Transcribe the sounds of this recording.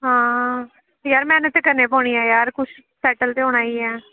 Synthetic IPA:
ɦãː | jaːɾmɛ̃ːnət̪ːekəɾneːpɔːɳ̃iaːjaːɾkʊt͡ʃʰ | sɛːʈəlt̪eːɦʊɽ̃aːiːɛː

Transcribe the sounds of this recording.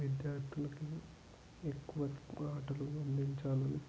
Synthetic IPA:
ʋid̪jaːɾt̪ʰulɐki | ekːuʋɐaːʈɐluɡɐnd̪iɲt͡ʃaːlɐni

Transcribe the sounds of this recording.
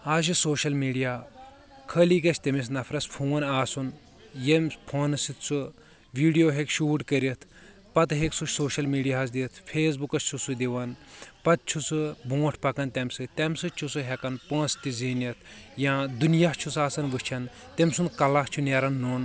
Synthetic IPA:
aːz̬isoːʃɐlmiːɖijaː | kʰəliːkɐt͡ʃʰʲt̪emis̬nɐfʰɾɐspʰuːnaːsun | jemʲpʰoːnɨsit̪ʰt͡sʰu | ʋiːɖijoːɦekʃuːʈkəɾit̪ʰ | pɐt̪ɦeksut͡ʃsoːʃɐlmiːɖijaːs̬d̪it̪ʰpʰeːs̬bukɐst͡ʃʰusud̪iʋɐnpɐt̪̚t͡ʃʰusɨbõːʈʰpɐkɐnt̪ʲɐmʲsɨt̪ɛmʲsɨt͡ʃʰusuɦɛkɐnpɐ̃ːst̪izinɐt̪ʰjãːd̪unjat͡ʃʰusaːsɐnʋɨt͡ʃʰɐn | t̪emʲsunkɐlaht͡ʃʰuneɾɐnːon

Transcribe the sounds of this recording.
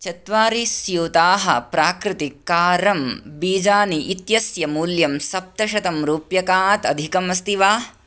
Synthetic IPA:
t͡ʃɐt̪ʋaːɾisjuːt̪aːɦɐ̰pɾaːkɾɪt̪ikaːɾɐmbiːd͡ʒaːniʔit̪jɐsjɐmuːljɐmsɐp̚t̪ɐʃɐt̪ɐmɾuːpjɐkaːt̪ɐd̪ʱikɐmɐst̪iʋaː

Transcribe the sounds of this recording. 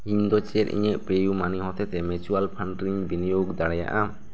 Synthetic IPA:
iɲd̪ɔt͡ʃɛɾḭɲɛʔpejumaniɦɔt̪ɛt̪ɛmɛt͡ʃualpʰaɳʈɾiɲbinijoɡd̪aɽɛja̰ʔa

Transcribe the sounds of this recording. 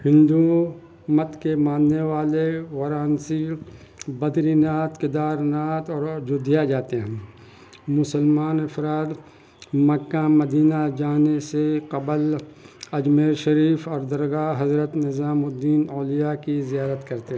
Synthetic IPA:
hɪ̃nd̪u | mɐt̪kemãːnːeʋaːleʋɐɾaːnsi | bɐd̪ɾinaːt̪kɪd̪aːɾnaːt̪ɔːɾd͡ʒʊd̪ʱijad͡ʒaːt̪eɦɛ̃ | mʊsəlmaːnɪfɾaːt̪ | mɐkːamɐd̪iːnad͡ʒaːneseqɐbəl | ɐd͡ʒmeːɾʃɐɾiːfɔːɾd̪ɐɾɣaɦɐzɾət̪nɪzaːmʊd̪iːnɔːlijakizijaːɾət̪kɐɾt̪eɦ

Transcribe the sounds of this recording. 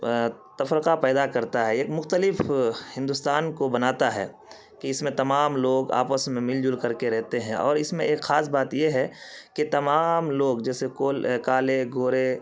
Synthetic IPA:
t̪ɐfɾɪqapɛːd̪akɐɾt̪aɦɛeːkmʊxt̪əlɪfhɪ̃nd̪ʊst̪aːnkobɐnaːt̪aɦɛ̰ː | kiɪsmẽt̪ɐmaːmloːɡa̰ːpəsmẽmɪld͡ʒʊlkɐɾkeɾɛɦt̪eɦɛ̃ʔɔ̰ːɾɪsmẽeːkxaːsbaːt̪jeɦɛkit̪ɐmaːmloːɡd͡ʒɛːsekoːlkaːleɡoːɾe

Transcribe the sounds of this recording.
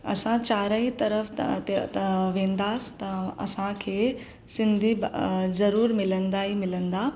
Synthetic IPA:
ɐ̰sãt͡ɕaːɾaɦit̪ɐɾəf | ʋẽːn̆d̪aːst̪ɐɐ̰sãkʰeː | sɪ̃nd̪ʱizɐɾuːɾmɪlə̃nd̪aːɦimɪlə̃nd̪aː

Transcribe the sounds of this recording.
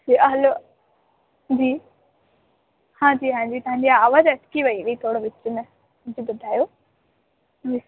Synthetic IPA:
d͡ʑiːɐɦlo | d͡ʑiː | hãːd͡ʑiːɦãːd͡ʑiːt̪ɐʋãːɲd͡ʑiaaːʋəːzɐʈkiʋɐiʋiit̪ʰoːɽoʋɪt͡ʃʊnẽ | d͡ʑibʊd̪ʱaːjoː | i

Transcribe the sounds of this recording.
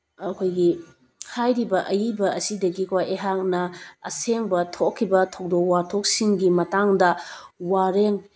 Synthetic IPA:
ɐkʰojɡi | hajɾibɐʔɐjibɐɐsidɐɡikʰaeɦak̚nɐɐ̰seŋbɐtʰokʰːibɐtʰok̚dokwatʰok̚siŋɡimɐtaŋdɐwaɾeŋ

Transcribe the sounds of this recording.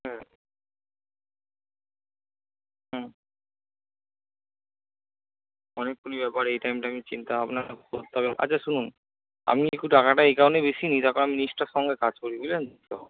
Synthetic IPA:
ɦɛ̃ | ɦɛ̃ | ɔnekːonibɛpaɾejʈajmʈaamit͡ɕint̪aapnakd̪t̪aβeʔa̰tːʰaʃunun | a̰miekuʈakaʈaejkawɳʈebeʃinit̪akonaminiʃʈaɾʃɔŋɡekad͡ʑkoɾibilend̪ʱekt̪e

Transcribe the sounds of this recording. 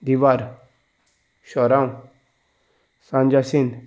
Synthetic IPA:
d̪iʋaɾ | ɕɔɾãũ | sãnd͡ʒasĩn

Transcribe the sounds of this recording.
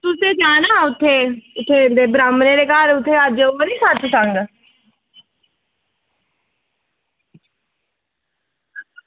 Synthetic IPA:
t̪ʊseːd͡ʒaːnaːʊt̪ʰːeːʊt̪ʰːeːd̪eːbɾaːmneːɾeːkaːɾʊt̪ʰːeːəd͡ʒoːəɾiːsət͡ʃsəŋɡ

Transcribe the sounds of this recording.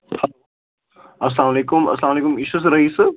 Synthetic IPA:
hɐo | ɐs̬laːmaleːkʊmɐ̰slaːmɐleːkʊmɪʃus̬ɾɐɦisɨ

